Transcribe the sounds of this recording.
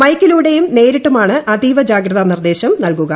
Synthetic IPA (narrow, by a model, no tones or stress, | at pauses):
mɐjkːiluːɽe̞jumne̞ːɾiʈːumaːɳɨʔɐd̪iːʋɐd͡ʑaːɡɾɐðɐnird̪e̞ːɕɐmnɐlkuɣɐ